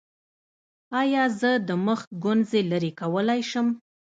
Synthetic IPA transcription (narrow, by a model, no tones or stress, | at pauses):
ɑjɑzəd̪əməx̚ɡʊnzelaɾekawəlajʃəm